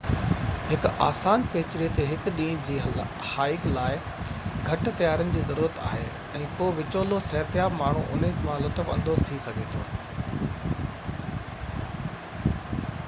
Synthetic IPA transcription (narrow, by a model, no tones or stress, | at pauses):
ɦɪkaːsaːnpeːt͡ɕɪɾet̪eɦɪkɗĩːd͡ʑiː | haːɪklaːɪ | ɡʱɐʈ̆t̪ɐjaːɾənɪ̆d͡ʑiːzɐɾuːɾət̪a̰ːɦeː | ɛ̃ːkoːʋɪt͡ɕoːlosɛɦt̪jaːbmaːɳ̤uʔʊneːzmãlʊt̪əfɐ̃nd̪oːzt̪ʰisɐɡʱet̪ʰo̰ː